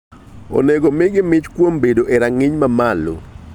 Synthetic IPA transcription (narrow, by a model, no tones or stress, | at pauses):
o̰neɡomɪɡɪmɪt͡ʃkwombedoʔeɾaŋɪɲmamalo̰